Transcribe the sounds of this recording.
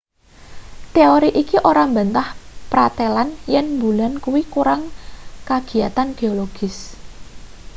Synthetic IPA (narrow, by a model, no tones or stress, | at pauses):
t̪eoɾiʔikiʔoɾambant̪ahpɾat̪elanjɛnmbulankuwikuɾaŋkaɡ̥i̤at̪anɡ̥eoloɡ̥ɪ̤s